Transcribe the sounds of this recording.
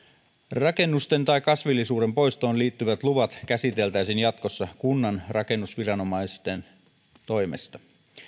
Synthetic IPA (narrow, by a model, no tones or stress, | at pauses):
rɑke̞nːust̪e̞nt̪ɑikɑsʋilːisuːde̞mpo̞jst̪o̞ːnliːt̪ːyʋæt̪luʋɑt̪kæsit̪e̞lt̪æisinjɑt̪ko̞sːɑkunːɑnrɑke̞nːusʋirɑno̞mɑist̪en | t̪o̞jmest̪ɑ̥